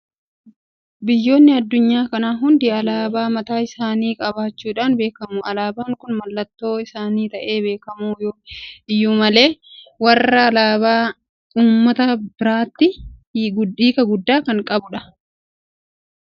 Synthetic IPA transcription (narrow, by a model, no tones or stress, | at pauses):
bɪjːo̞ːnːɪɐd̪ːʊɲːaːkɐnaːɦʊnd̪ɪɐlaːbaːmɐt̪aːɪsaːniːkʼɐbaːt͡ʃːuːᶑaːnbe̞ːkɐmuːʔɐlaːbaːŋkʊnmɐlːɐt̪ːo̞ːɪsaːniːt̪ɐʔe̞ːbe̞ːkɐmuːjoːɪjːuːmɐle̞ːwɐrːɐːlaːbaː | uːmːɐt̪ɐbɪɾaːt̪ːɪɡiːkɐɡʊd̪ːaːkɐŋkʼɐbʊᶑɐ